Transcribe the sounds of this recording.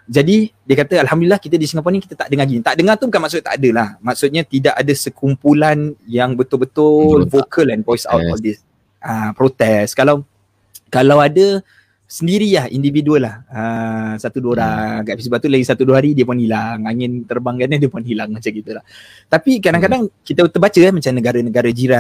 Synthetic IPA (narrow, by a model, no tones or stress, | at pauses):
d͡ʒadidiəkat̪əalhamdulilːahkit̪ədisiŋap̬ɔniki̥t̪at̪aʔdəŋaɡint̪aʔdəŋat̪ubukanmaksʊt̪̚a̰ʔadəlahmaksʊt̪̚ɲãt̪idaʔadasəkʰumpulanjaŋbət̪ʊlbət̪ʊlfokʰəlɛnpɔjsa̰wɔ̰ldis | ʔəpɾot̪ɛskalaw | kalawadə | səndiɾilahḭndividuəlahəsat̪uduəoɾakapisobat̪ulaɡisat̪uduəɦaɾidiəpunhilaŋaŋɪ̃nt̪ərbaŋkatɲadiəpuanhilaŋmat͡ʃakit̪əlah | t̪apikadaŋkadaŋkit̪ət̪əbat͡ʃəamat͡ʃamnəɡaɾanəɡaɾad͡ʒiɾa